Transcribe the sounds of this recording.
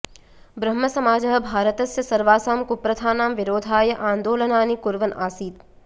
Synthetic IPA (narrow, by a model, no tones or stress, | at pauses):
bɾɐmːɐsɐmaːd͡ʒɐɦɐ̆bʱaːɾət̪ɐsjɐsɐɾʋaːsaːmkupɾɐt̪ʰaːnaːmʋɪɾoːd̪ʱaːjɐʔaːnd̪oːlɐnaːnikʊɾʋɐnaːsiːt̪